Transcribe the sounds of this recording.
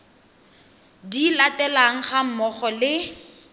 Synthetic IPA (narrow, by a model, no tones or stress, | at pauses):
dilatɛlaŋ̩χam̩mɔχɔlɪ